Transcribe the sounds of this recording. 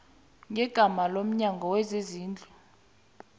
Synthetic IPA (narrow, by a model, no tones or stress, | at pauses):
ŋʱɛɡ̥ʱamalom̩ɲaŋɡʱɔwɛzeziːnd͡ɮʱu